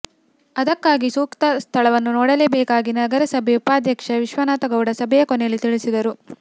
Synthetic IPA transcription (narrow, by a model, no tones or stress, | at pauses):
ɐd̪ɐkːaːɡisuːkt̪ɐst̪ʰɐɭɐʋɐnːunɔːɽɐleːbɛːkaːɡinɐɡɐɾɐsɐbʱeupaːd̪jɐkʂɐʋiʃʋɐnaːt̪ɐɡɐwɽɐsɐbʱɛjɐkɔnɛjɐlːit̪iɭisid̪ɐɾu